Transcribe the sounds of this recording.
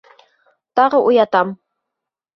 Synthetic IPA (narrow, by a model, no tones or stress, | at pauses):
t̪ɑʁɤʔujɑt̪ɑm